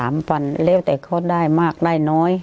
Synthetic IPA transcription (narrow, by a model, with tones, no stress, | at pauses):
aː˨˦mpa˨˧˨nleː˧˥˩wt̪ɛː˨˩kʰɔ˧˩daː˧˥˩jmaː˧˥˩k̚daː˥˩˨jnɔː˧˥˨j